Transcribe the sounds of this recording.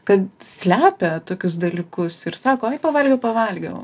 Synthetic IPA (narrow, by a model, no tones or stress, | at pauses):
kɐt̪sʲlʲæːpʲɛt̪oːkʲʊs̬d̪ɐlʲiːkʊsɪɾsɑːkoːɐɪpɐʋɐlʲɡʲɛʊpɐʋɐlʲɡʲɛʊ